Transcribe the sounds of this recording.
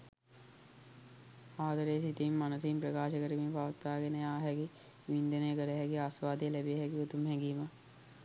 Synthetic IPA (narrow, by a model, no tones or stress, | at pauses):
aːd̪əɾejsit̪imːanəsimpɾɐkaːʃəkəɾimiːpaʋət̪ːaːɡenejaːɦɛki | ʋind̪ənəjəkəɾeɦɛkiaːsʋaːd̪ijəlɛbejɦɛkiut̪umɦɛɡiːmə